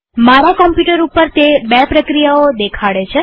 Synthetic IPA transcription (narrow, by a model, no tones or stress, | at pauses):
maɾakɔmpjuʈəɾupːəɾt̪ebɛpɾəkɾijaod̪ekʰaɽet͡ʃʰe